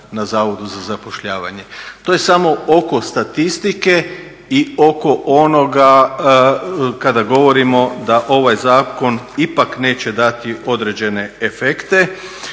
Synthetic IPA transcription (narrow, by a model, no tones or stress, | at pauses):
nazaːʋo̞d̪uzazapo̞ʃʎaːʋa̰ɲe̞t̪oje̞samo̞o̞ko̞st̪at̪ist̪ike̞ | io̞ko̞ʔo̞no̞ɡa | kad̪aɡo̞ʋo̞ɾimo̞d̪aʔo̞ʋajzaːko̞nipakne̞ːt͡ɕe̞d̪at̪io̞d̪ɾed͡ʑe̞ne̞efekt̪e